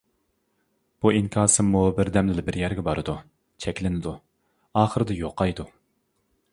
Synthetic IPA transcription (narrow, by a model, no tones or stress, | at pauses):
b̥uiŋkʰɑːsɨmːubɪɾd̪ɛmlɪlɪbɪɾjæɾɡʲɛbɑɾɨd̪u | t͡ʃʰɛkʲlɪnɪd̪u | ɑːχəɾɨd̪ɨjoqʰːɑjd̪u